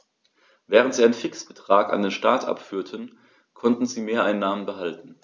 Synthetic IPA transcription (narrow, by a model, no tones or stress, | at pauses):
vɛːʁəntz̥iːaɪnfɪksb̥ətʁ̥aːka̰ndeːnʃtaːtʔa̰pfyːɐtʰən | kʰɔntn̩ziːmeːɐʔaɪnːaːmənbəɦaltn̩